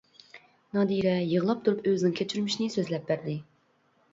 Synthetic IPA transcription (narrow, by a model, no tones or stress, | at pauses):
nɑd̪iɾɛjəʁəlˠɑp̚t̪ʰuɾupøzɪnɪŋkʲʰet͡ʃʰyɾmɪʃinɪsøzlɛp̚bæɾd̪ɪ